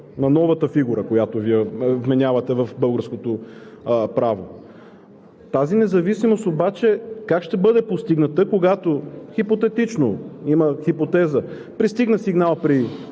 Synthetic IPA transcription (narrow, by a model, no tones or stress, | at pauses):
nɐnɔvɐt̪əfiɡuɾəkojat̪oviɛvmɛnʲavɐt̪ɛvɐfbɤlˠɡəɾskot̪o | pɾavo | t̪azinɛzɐvisimost̪obat͡ʃɛkakʃt̪ɛbɤd̪ɛpost̪iɡnɐt̪əkoɡat̪oxipot̪ɛt̪it͡ʃnoiməxipot̪ɛzə | pɾist̪iɡnəsiɡnalˠpɾi